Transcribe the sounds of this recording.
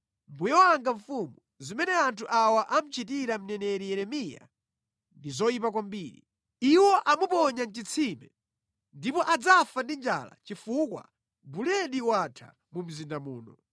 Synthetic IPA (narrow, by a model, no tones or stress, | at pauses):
mbujɔwaŋɡaɱfumu | zimɛnɛantʰuʔawaʔam̩t͡ʃit̬iɾam̩nɛnɛɾijɛɾɛmija̰ | ndizɔjip̬akwambiːɾḭ | iwɔʔamupɔɲan̩t͡ʃit͡sʰimɛ | ndipɔʔad͡zafandind͡ʒa̰la̰t͡ʃifukwa̰ | bulɛɗiwatʰa̰ | mum̩zindamuːnɔ